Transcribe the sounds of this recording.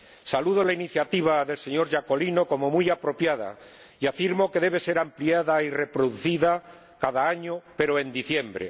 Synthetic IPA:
saluð̞olainiθjat̪iβ̞aðe̞lse̞ɲo̞ɾʒako̞lino̞ko̞mo̞mujapɾo̞pjaða̰ | iafiɾmo̞ke̞ðe̞β̞e̞se̞ɾampliaðaire̞pɾo̞ðuθiða | kaðaaɲope̞ɾoe̞nd̪iθje̞mbɾḛ

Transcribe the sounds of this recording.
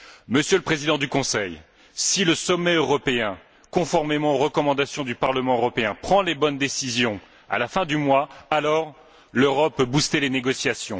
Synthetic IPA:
məsjøləpχezid̪ɑ̃d̪ykɔ̃sɛj | siləsɔmːɛøʁɔpeɛ̃ | kɔ̃fɔʁmemɑ̃oʁəkɔmɑ̃d̪asjɔ̃d̪ypaʁləmɑ̃øʁɔpeɛ̃pχɑ̃lebɔnd̪esizjɔ̃ | a̰lafɛ̃d̪ymwaalɔʁ | løʁɔpːøbust̪eleneɡɔsjasjɔ̃

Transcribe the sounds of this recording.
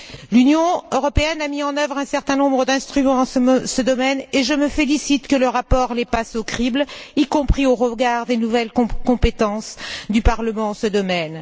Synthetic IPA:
lynjɔ̃øʁɔpeɛnamiɑ̃nœvʁɛ̃sɛʁt̪ɛ̃nɔ̃bʁəd̪ɛ̃st̪χymɑ̃d̪ɑ̃səd̪ɔmɛneʒəməfelisit̪kələʁapɔʁlepasokχiblikɔ̃pχioʁəɡaʁd̪enuvɛlkɔ̃pet̪ɑ̃sd̪ypaʁləmɑ̃ɑ̃səd̪ɔmɛn

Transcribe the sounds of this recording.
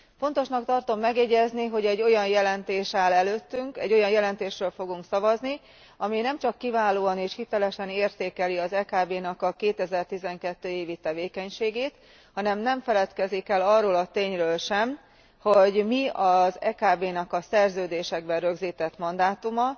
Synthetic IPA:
fo̞nt̪o̞ʃnɒk̚t̪ɒrt̪o̞mːɛɡjɛɟɛzniɦo̞ɟɛɟːo̞jɒnjɛlɛnt̪eːʃaːlɛløːt̪ːyŋkɛ̰ɟːo̞jɒnjɛlɛnt̪eːʃrøːlfo̞ɡuŋksɒvɒzni | ɒminɛmt͡ʃɒkːivaːloːɒneːʃhit̪ɛlɛʃɛneːrt̪eːkɛliɒzɛkaːbeːnɒkɒkeːt̪ɛzɛrt̪izɛŋkɛt̪ːøːeːvit̪ɛveːkɛɲʃeːɡeːt̪ | hɒnɛmnɛɱfɛlɛt̪kɛzikɛlɒrːoːlɒt̪eːɲrøːlʃɛm | ho̞ɟmiɒzɛ̰ːkaːbeːnɒkɒsɛrzøːd̪eːʃɛɡ̚bɛnrø̞ɡziːt̪ɛt̪mɒnd̪aːt̪umɒ

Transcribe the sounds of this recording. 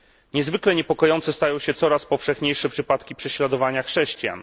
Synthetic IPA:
ɲɛzvɘklɛɲɛpɔkɔjɔnt̪sɛst̪ajɔ̃w̃ɕɛt̪sɔɾaspɔfʂɛxɲejʂɛpʂɘpat̪kʲipʂɛɕlad̪ɔvaɲaxʂɛɕt͡ɕja̰n

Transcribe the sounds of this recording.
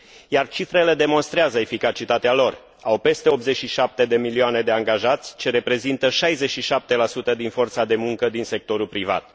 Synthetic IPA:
jart͡ʃifɾe̞le̞d̪e̞mo̞nst̪ɾeazəefikat͡ʃit̪at̪ealo̞r | awpe̞st̪e̞o̞pze̞t͡ʃʃiʃap̚t̪e̞d̪e̞milioane̞d̪e̞aŋɡaʒat̪sʲt͡ʃe̞ɾe̞pɾe̞zint̪əʃajzet͡ʃʃiʃap̚t̪e̞lasut̪əd̪info̞rt̪sad̪e̞muŋkəd̪inse̞k̚t̪o̞ɾulpɾiva̰t̪̚

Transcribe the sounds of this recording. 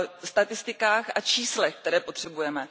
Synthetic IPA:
st̪at̪ɪst̪ɪkaːxʔat͡ʃiːslɛxk̚t̪ɛɾɛːpot̪r̝̥ɛbujɛmɛ

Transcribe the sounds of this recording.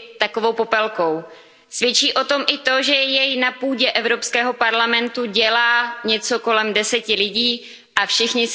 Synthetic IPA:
t̪akovo̞wpo̞pɛlko̞w | svjɛt͡ʃiːʔo̞t̪o̞mʔɪt̪o̞ʒɛjɛjnapuːɟɛʔɛvɾo̞pskɛːɦo̞paɾlamɛnt̪uɟɛlaːɲɛt͡so̞ko̞lɛmdɛsɛcɪlɪɟiː | ʔafʃɪxɲɪ

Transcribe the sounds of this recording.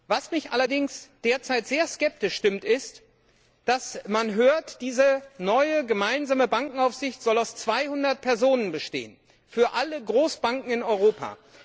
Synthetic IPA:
vasmɪçtʔa̰lɐdɪŋsd̥eːɐt͡saɪtz̥eːɐskɛp̚tɪʃʃtɪmtɪst | d̥asmanɦøːɐtd̥iːzənɔʏəɡəmaɪnzaːməbaŋkŋ̩aʊfz̥ɪçtz̥ɔlaʊst͡sv̥aɪhʊndɐt̚pʰɛɐzoːnənbəʃtḛːən | fyːɐʔaləɡʁoːsb̥aŋkŋ̩ɪnɔʏʁoːpʰa̰ː

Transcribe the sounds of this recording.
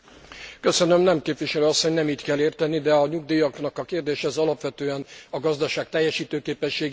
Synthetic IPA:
kø̞sønømnɛmkeːpʋiʃɛløːɒsːo̞ɲnɛmiːc̪kɛlːeːrt̪ɛnːid̪ɛɒɲuɡd̪iːjɒɡnɒkɒkeːrd̪eːʃɛzɒlɒpʋɛt̪øːɛnɒɡɒzd̪ɒʃaːk̚t̪ɛjːɛʃiːt̪øːkeːpɛʃːeːɡ

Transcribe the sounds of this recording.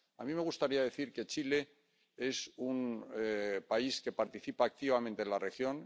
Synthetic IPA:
amĩme̞ɣ̞ust̪aɾiaðe̞θiɾke̞t͡ʃile̞ | e̞sun | paiske̞paɾt̪iθipaːk̚t̪iβamẽnt̪enlare̞xjo̞n

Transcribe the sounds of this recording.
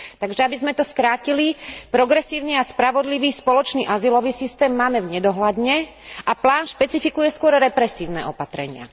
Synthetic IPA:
t̪aɡʒɛabizmɛt̪ɔskɾaːcilipɾɔɡɾɛsiːʊniaspɾaʋɔd̪liʋiːspɔlɔt͡ʃniːʔazilɔʋiːsist̪ɛːmːaːmɛvɲɛd̪ɔɦlad̪ɲɛ | ʔaplaːnʃpɛt͡sifikujɛskʊɔɾɾɛpɾɛsiːʊnɛ̰ʔɔpat̪ɾɛ̰ɲɪa̰

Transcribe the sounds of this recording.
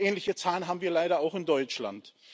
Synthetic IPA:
ɛːnlɪçət͡saːlənɦaːbm̩viːɐlaɪɾɐaʊxɪndɔʏt͡ʃla̰nt

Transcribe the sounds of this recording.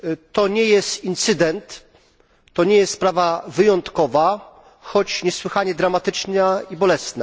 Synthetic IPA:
t̪ɔɲɛjɛst̪int̪sɘd̪ɛnt̪ː | ɔɲɛjɛst̪spɾavavɘjɔnt̪kɔva | xɔt͡ɕɲɛswɘxaɲɛd̪ɾamat̪ɘt͡ʂnɛibɔlɛsnɛ

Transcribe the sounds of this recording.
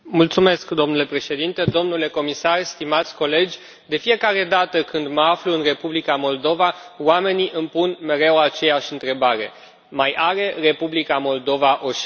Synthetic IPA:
mult̪sume̞skd̪o̞mnule̞pɾe̞ʃe̞d̪int̪e̞d̪o̞mnule̞ko̞misarst̪imat̪sʲko̞le̞d͡ʒʲ | d̪e̞fije̞kaɾe̞d̪at̪əkɨnd̪məafluɨnre̞publikamo̞ld̪o̞va | wame̞niʔɨmpunme̞ɾe̞wat͡ʃe̞jaʃʲɨnt̪ɾe̞baɾe̞̰ | majaɾe̞re̞publikamo̞ld̪o̞vaʔo̞ʃ

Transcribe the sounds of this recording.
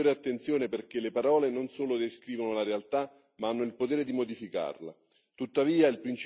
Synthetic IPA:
oːɾeat̪ːent̪sjoːneperk̟elepaɾɔːlenonsoːlod̪eskɾiːvonolaɾealt̪a | maanːoilpot̪eːɾed̪imod̪ifika̰rla̰ | t̪ut̪ːaviːailpɾint͡ʃ

